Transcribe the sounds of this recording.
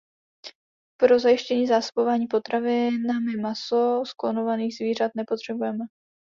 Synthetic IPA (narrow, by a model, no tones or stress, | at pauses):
pɾo̞zajɪʃcɛɲiːzaːso̥bo̞vaːɲiːpo̞t̪ɾavɪnamɪmaso̞sklono̞vaniːɣzviːr̝at̪̚nɛpot̪r̝̥ɛbujɛmɛ